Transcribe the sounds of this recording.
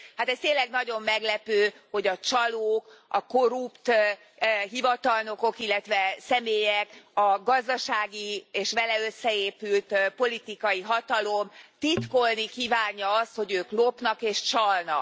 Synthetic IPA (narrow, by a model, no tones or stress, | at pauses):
hat̪ɛst̪eːnlːɛɡnɒɟo̞mːɛɡlɛpøːho̞ɟɒt͡ʃɒloːkɒko̞ɾupt̪ | ɦivɒt̪ɒlno̞ko̞kilːɛt̪ʋɛsɛmeːjɛkɒɡɒzd̪ɒʃaːɡieːʃʋɛlɛøsːɛeːpylt̪po̞lit̪ikɒjiɦɒt̪ɒlo̞mt̪it̪ko̞lnikiːvaːɲːɒɒst̪ho̞ɟøːklopnɒkeːʃt͡ʃɒlnɒ̰k